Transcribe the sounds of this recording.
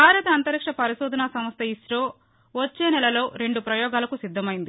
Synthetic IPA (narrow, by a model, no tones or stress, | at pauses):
bʱaːɾɐt̪ɐːnt̪ɐɾikʂɐpɐɾiʃuːd̪ʱɐnaːsɐmɐst̪ɐisʈoː | ʋɐt͡ʃːe̞ːnɛlɐlo̞ːɾe̞ɳɖupɾɐjɔːɡaːlɐkusid̪ʱːɐmɐjind̪i